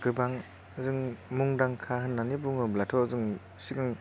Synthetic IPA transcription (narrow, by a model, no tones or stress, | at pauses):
kɯbaŋ | ɯzɯŋmuŋdaŋkʰaɦɯnːanibuŋɯblatʰɔzɯŋ | siɡɯŋ